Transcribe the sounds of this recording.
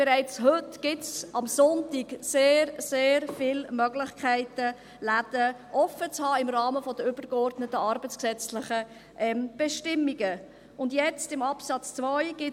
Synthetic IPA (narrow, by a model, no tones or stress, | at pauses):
b̥ɛɾaɪt͡shøtɡ̥ɪtsʔɑmsʊntiɡseːrseːɾfɪlmœɡlɪχkʰæɪtə | lad̪̥əʔɔfət͡shɑːɪmrɑːməfɔd̥əʏb̥ərɡɔrdnətːəɑɾbət͡sksɛt͡slɪχə | ʔɛmb̥ɛʃtɪmːiɡə | ʊndjɛt͡stɪmɑpsɑt͡st͡svɔɪɡ̥ɪ